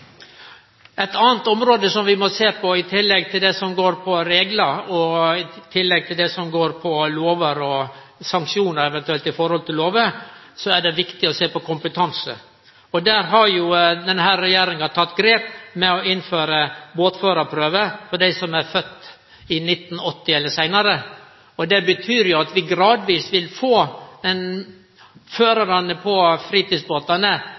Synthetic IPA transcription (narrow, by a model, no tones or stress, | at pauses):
æt̪ɑːnt̪ɔmɾoːd̪əsɔmʋɪmɔseːpʰɔɪt̪ʰɪlːɛɡt̪ʰɪld̪ɛsɔmɡoːɾpʰɔɾeːɡlɑɾɔɪt̪ʰɪlːɛɡ̚t̪ʰɪld̪ɛsɔmɡoːɾpʰɔloːʋəɾɔ | sɑŋkʂuːnəɾɛʋɛnt̪ʉɛlt̪ɪfɔɾhɔlt̪ʰɪlloːʋəsɔæɖɛʋɪkt̪ɪɔseːpɔkʊmpət̪ʰɑnsə̰ | ɔd̪æːɾɦɑɾjʊd̪ɛnɦæːɾːɛjeːɾɪŋɑt̪ʰɑt̪ːɡɾeːpmɛɔɪnføːɾəboːt̪føːɾɑpʰɾøːʋəfɔɖæɪsɔmæɾfœt̪ː | ɪnɪt̪ːn̩ɔt̪ːɪɛlːəsæɪnɑɾə | ɔd̪ɛbət̪ʰyːɾjʊɑt̪ʋɪɡɾɑːd̪ʋiːsʋɪlfoːɛn | føːɾɑɾɑnəpʰɔfɾiːt̪iːsboːt̪ɑnə